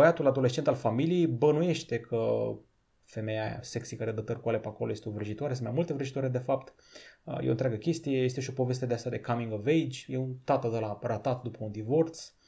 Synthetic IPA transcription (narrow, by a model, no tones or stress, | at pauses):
əjat̪ulad̪o̞les̬t͡ʃent̪alfamilijejbənuje̞ʃt̪e̞kʰə | fe̞me̞ja̰sektsikaɾed̪ət̪ərkuale̞pako̞loje̞st̪eovɾiʒit̪oaɾesɨnmajmult̪e̞vɾiʒit̪oaɾed̪e̞fap̚t̪ | jḛont̪ɾʲaɡəkʲe̞st̪ije̞jes̬t̪e̞ʃio̞po̞ve̞s̬t̪ed̪east̪ad̪e̞kamiŋɡovejd͡ʒʲjeunt̪at̪əd̪əlarat̪at̪d̪upəund̪ivo̞rt̪s